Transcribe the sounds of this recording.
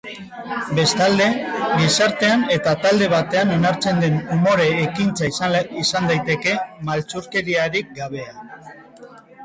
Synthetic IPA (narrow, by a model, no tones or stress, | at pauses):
be̞st̪ald̪e̞ɡisaɾt̪e̞ane̞t̪at̪ald̪e̞β̞at̪e̞ano̞naɾt͡se̞nd̪e̞numo̞ɾe̞ːkint͡saiisand̪ajt̪e̞ke̞malt͡suɾke̞ɾiaɾik̚ɡaβ̞e̞a